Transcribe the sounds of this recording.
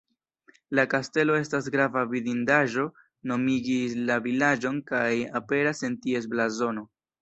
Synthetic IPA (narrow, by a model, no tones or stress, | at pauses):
lakaste̞lo̞e̞stas̬ɡɾavavidindaʒo̞ | no̞miɡislavilad͡ʒo̞nkajape̞ɾase̞ntie̞s̬blazo̞no̞